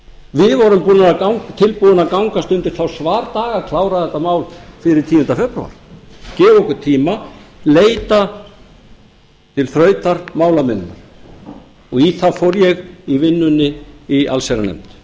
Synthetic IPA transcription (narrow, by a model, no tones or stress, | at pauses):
vɪðvɔɾʏmpuːnaakawŋkt̪ʰɪlpuðʏnakawŋkast̪ʏnt̪ɪɾ̥θawsvaːɾt̪aːɣakʰlawɾaðɛt̪ːamaːwlfɪɾɪɾ̥t̪ʰiːjʏnt̪afɛpɾṵa̰ɾ̥cɛːvɔkʏt̪ʰiːmaleːjt̪a | t̪ʰɪlθɾœːɥt̪aɾmaːwlamɪnːa̰ɾ̥ | ɔɣiθafowɾjɛɣivɪnːʏnːɪiʔa̰lsejɾanɛ̰mt̪